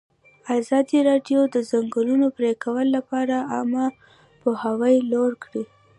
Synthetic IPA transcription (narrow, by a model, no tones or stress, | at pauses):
azɑd̪iɾɑɖjod̪əzaŋɡəlunopɾekawəlːapɑɾaama | pohawəjloɽkɽi